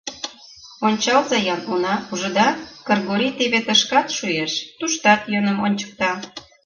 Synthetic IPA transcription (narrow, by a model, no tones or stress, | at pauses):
onʲt͡ɕɑlzɑjɑnunɑuʒə̆d̪ɑkɤrɣoɾʲit̪eβet̪əʃkɑt̪ʃujeʃt̪uʃt̪ɑt̪jønəmonʲt͡ɕə̥k̚t̪ɑ